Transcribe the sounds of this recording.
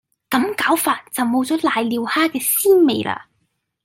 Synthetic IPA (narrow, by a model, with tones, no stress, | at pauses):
kɐ˨˥mkaː˨˥wfaː˨t̚t͡sɐ˨wmo˨˧wt͡sɔː˨˥laː˨jliː˨˧whaː˥kɛː˧siː˥me˨˧jlʔa̰ː˧